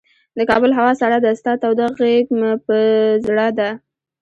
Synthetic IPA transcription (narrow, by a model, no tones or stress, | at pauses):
d̪əkɑbəlɦawɑsaɽad̪ast̪ɑt̪awd̪aɣekmpəzɽɑd̪a